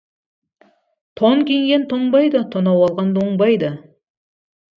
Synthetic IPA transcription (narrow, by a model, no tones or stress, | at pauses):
t̪ʰoŋkʲeŋɡʲe̞nt̪ʰoɴbɑjd̪ət̪ʰonɑwɑlˠʁɑnd̪oɴbɑjd̪ə